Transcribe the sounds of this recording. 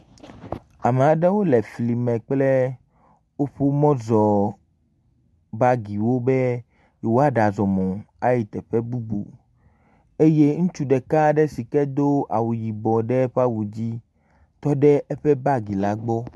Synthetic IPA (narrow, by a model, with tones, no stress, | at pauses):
a˨me˨a˨ɖɛ˦wo˦lɛ˨fli˨mɛ̃˨k͡plɛ˦ | wo˦ɸu˦mɔ̃˦zɔ˨ | ba˦ɡi˨wo˦bɛ˦ | je˨wo˦a˦ɖa˨zɔ˨mɔ̃˨ | a˦ji˨t̪ɛ˨ɸɛ˦bu˦bṵ˨ | e˦je˦ŋũ˦t͡ʃu˦ɖɛ˨ka˦ɖɛ˦si˨kɛ˦d̪o˦a˨wu˨ji˨bɔ˨ɖɛ˦ɸa˦wu˨d͡ʑi˦ | t̪ɔ˦ɖɛ˦ɛ˦ɸɛ˦ba˦ɡi˨la˨˦ɡ͡bɔ˦